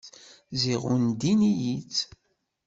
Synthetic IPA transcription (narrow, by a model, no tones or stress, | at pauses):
ziʁund̪inijit͡sː